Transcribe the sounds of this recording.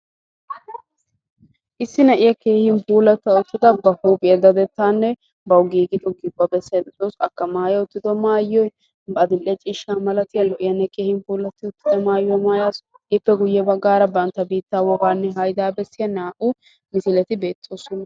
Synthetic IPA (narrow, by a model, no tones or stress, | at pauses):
ʔɪsːɪnɐʔɪjɐke̞ːhɪnbuːlɐt̪ːɐʊt̪ːɪd̪ɐbɐhuːpʼɪjɐd̪ɐd̪ɛt̪ːaːnːɛ | bɐwɡiːɡɪt̪ʼɔɡɪbːɐbɛsːjɐd̪ɛtosɐkːɐmaːjɐʊt̪ːɪd̪ɔmaːjːɔj | bɐd̪ɪlːɛt͡ʃʼiːʃːaːmɐlɐt̪ɪjɐlʊʔɪjɐnːɛke̞ːhɪmbuːlɐt̪ːɪʊt̪ːɪd̪ɔmaːjːɔjmaːjaːs | ɪpːɛɡʊjːɛbɐɡːaːɾɐbɐnt̪ːɐbiːt̪ːawɔɡaːnːɛɦɐjd̪aːbɛsːɪjɐnaːʔʊ | mɪsɪlɛt̪ɪbe̞ːt̪ːoːsɔnɐ